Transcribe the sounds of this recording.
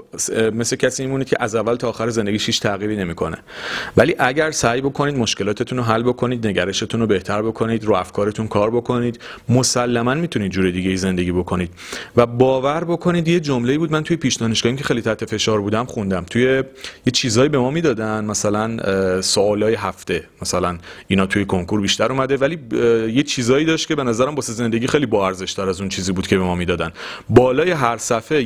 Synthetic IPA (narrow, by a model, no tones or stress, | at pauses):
mesle̞cʰæsiːimuːnid̪̥̚cʰḛʔæzævːælt̪ʰɒːxæɾeze̞nd̪e̞ɟiːʃhiːt͡ʃt̪ʰæɣiːɾiːne̞miːkʰo̞nḛvæliːʔæɟæɾsæːjbo̞kʰo̞niːd̪mo̞ʃke̞lɒːt̪ʰe̞t̪ʰunoɦælːbo̞kʰo̞niːd̪ne̞ɟæɾe̞ʃe̞t̪ʰunobe̞ht̪ʰæɾbo̞kʰo̞niːd̪ɾuːæfkʰɒːɾe̞t̪ʰunkʰɒːɾbo̞kʰo̞niːd̪ | mosælːæmænmit̪ʰuniːd̪̚d͡ʒuːɾed̪iːɟe̞jize̞nd̪e̞ɟiːbo̞kʰo̞niːd̪̥̚væbɒːvæɾbo̞kʰo̞niːd̪jed͡ʒomle̞iːbud̪mænt̪uje̞pʰiːʃd̪ɒːneʃɡɒːimcʰe̞xejlit̪ʰæɾt̪ʰe̞fe̞ʃɒːɾbuːd̪æmχund̪æmt̪ʰuje̞je̞t͡ʃʰiːzɒːibe̞mɒːmiːd̪ɒːd̪ænmæsælænsoɒːlɒːjeɦæft̪e̞mæsælæniːnɒːt̪ʰuje̞kʰoŋkʰuɾbiːʃt̪æɾuːmæd̪e̞væliːjet͡ʃʰiːzɒːiːd̪ɒːʃt̪̚ce̞be̞næzæɾæmbɒːseze̞nd̪e̞ɟiːxejlibɒːæɾze̞ʃt̪æɾæzunt͡ʃʰiːziːbuːd̪̥cʰe̞be̞mɒːmiːd̪ɒːd̪ænbɒːlɒːje̞ɦæɾsæfe̞